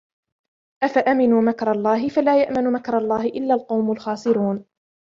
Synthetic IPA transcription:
ʔafaʔamɪnuːmakɾˤɑlˤːɑːɦɪfalaːjaʔmanʊmakɾˤɑlˤːɑːhɪʔɪlːaːlqɑwmʊlxɑːsˤɪɾuːn

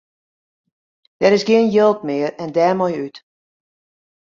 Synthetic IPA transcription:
d̥ɛɾɪsɡɪənjølˠt̚mɪərɛndɛːmɔjyt

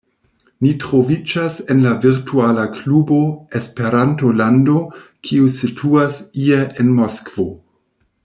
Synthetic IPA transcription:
nitɾo̞vid͡ʒase̞nlaviɾtʰualaklubo̞espe̞ɾanto̞landokʰiusitʰuasieʔenmoskv̥o̞

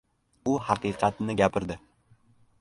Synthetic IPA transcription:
ʊhɑqɨqʰɑt̪nɪɡʲapʰɪɾd̪ɪ

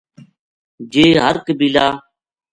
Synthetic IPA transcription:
d͡ʒeːɦəɾkbiːlaː

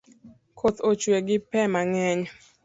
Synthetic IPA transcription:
kʰot̪ot͡ʃweɡɪpɛmaŋɛɲ

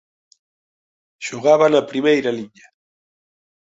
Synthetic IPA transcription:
ʃoɣaβanapɾimejɾaliɲa

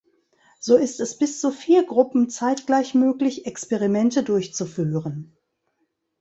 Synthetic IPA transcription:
z̥oːɪstɛsb̥ɪst͡sufiːɐɡʁʊpm̩t͡saɪtɡ̥laɪçmøːklɪçɛkspɛʁimɛntədʊɐçt͡sufyːʁən

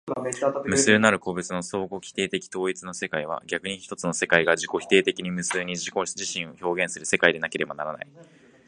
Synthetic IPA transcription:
mɯ̟sɨːnaɾɯ̟ko̞ːbɯ̟t͡sɨno̞so̞ːɡo̞kʲi̥t̪e̞ːt̪e̞kʲi̥t̪o̞ːit͡sɨno̞se̞kaiβ̞a̰ɡʲakɯ̟ɲ̟içi̥t̪o̞t͡sɨno̞se̞kaiɡaʑiko̞çi̥t̪e̞ːt̪e̞kʲiɲ̟imɯ̟sɨːɲ̟iʑiko̞ʑiɕĩɰ̃o̞ço̞ːɡẽ̞ɰ̃sɨɾɯ̟se̞kaid̪e̞nake̞ɾe̞banaɾana̰i

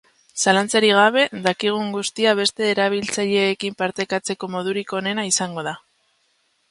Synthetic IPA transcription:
salant͡saɾiɣ̞aβe̞ðakiɣ̞uŋɡust̪iaβe̞st̪e̞ːɾaβ̞ilt͡saʎe̞ːkimpaɾt̪e̞kat͡se̞ko̞mo̞ðuɾiko̞ne̞naisaŋɡo̞ð̞a

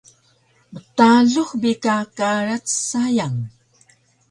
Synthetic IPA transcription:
mətaɮuχbikakaɾat͡ssajaŋ

